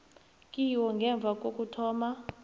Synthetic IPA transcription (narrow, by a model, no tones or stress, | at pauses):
kʼiwɔŋɡʱɛɱb̪vʱakʼokʼutʰɔːma